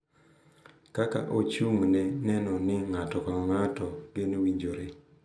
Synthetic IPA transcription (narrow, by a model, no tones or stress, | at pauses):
kaka̰ʔot͡ʃumnɛnɛnɔnɪŋatɔkɔɔŋatɔɡenwiɲd͡ʒoɾe